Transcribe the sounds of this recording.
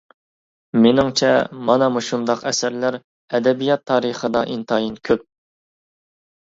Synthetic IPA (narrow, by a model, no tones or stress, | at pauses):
menɪŋt͡ʃʰɛ̰mɑnɑmuʃund̪ɑqɛsæɾlæɾ | ɛd̪ɛbijɑt̪ʰːɑːɾəχəd̪ɑ̰ʔint̪ʰɑjinkʲʰøp̚